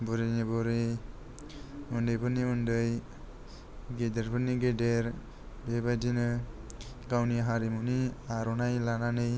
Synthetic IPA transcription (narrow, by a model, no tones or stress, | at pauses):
bɯɾinibɔɾe | undɯjbɯniundɯj | ɡedeɾbɯniɡedeɾ | bebadinɯ | ɡawniɦaɾimuniaɾɔnajlananɯj